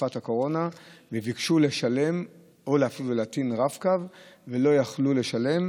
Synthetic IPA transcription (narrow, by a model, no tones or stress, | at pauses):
fathako̞ʁo̞navevikʃule̞ʃale̞m | oleafiluleatinʁafkavːelo̞jaχlule̞ʃale̞m